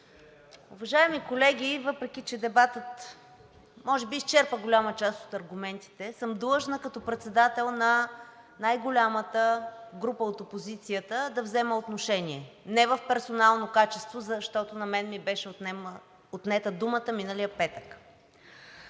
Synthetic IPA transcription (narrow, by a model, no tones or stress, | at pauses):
uvɐʒaɛmikolɛɡ̟ʲivɤpɾɛkit͡ʃɛd̪ɛbat̪ət̪ | mɔʒɛbiːst͡ʃɛɾpəɡolʲamət͡ʃast̪o̥t̪ɐɾɡumɛnt̪i̥t̪ɛsɤmd̪lˠɤʒnəkɐt̪ɔpɾɛt̪sɛd̪at̪ɛlˠnɐ | najɡolʲamət̪əɡɾupəot̪opozit̪sijət̪əd̪ɐvzɛməot̪noʃɛniɛnɛvəfpɛɾsonalˠnokat͡ʃɛst̪vozɐʃt̪ɔt̪onɐmɛnmibɛʃɛot̪ɛm | ot̪nɛt̪əd̪umət̪əminəlijəpɛt̪ək